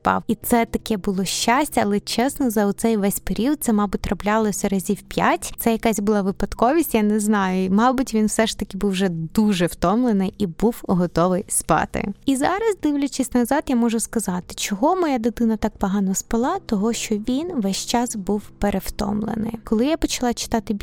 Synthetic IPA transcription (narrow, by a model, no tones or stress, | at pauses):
spɑ̰wit̪sɛt̪ɐkɛbʊlˠɔʃt͡ʃasʲtʲɐɐlˠɛt͡ʃɛsnɔzɐʊt̪sɛjʋɛsʲpeɾʲiɔt̪̚sɛmɑbʊt̚ʲrɔblʲalˠɔsʲɐɾɐzʲiwpʲjatʲt̪sɛjɐkasʲbʊlˠɑʋɪpɐt̪kɔʋʲisʲtʲjanɛznɑjʊimɑbʊtʲʋʲinwsɛʃt̪ɐkʲɪbuwʒʐɛd̪uʒɛwt̪ɔmlˠenɪjibuwɦɔt̪ɔʋɪjspɑ̰t̪ɪ̰izɑɾɐsd̪ɪwlʲʊt͡ʃisʲtʲnɐzɑd̪jamɔʒʊskɐzɑt̪ɪ̥t͡ʃɔɦɔmɔjad̪ɪd̪ɪnɐt̪ɑk̚pɔɦɑnɔspɐlˠɑt̪ɔɦɔʃt͡ʃɔʋʲinʋɛsʲt͡ʃɑsbuwpeɾewt̪ɔ̰mlˠḛnɪ̰jkɔlˠɪjapɔt͡ʃɐlˠɑt͡ʃɪ̥t̪ɑt̪ɪ